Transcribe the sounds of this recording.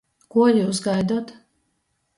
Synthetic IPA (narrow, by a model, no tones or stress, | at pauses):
kuɔjuwsɡajd̪uɔt̪